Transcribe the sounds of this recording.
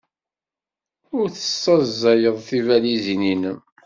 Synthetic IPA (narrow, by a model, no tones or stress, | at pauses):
ʊɾθə̥sːɑzːæjəðˤθivælizininəm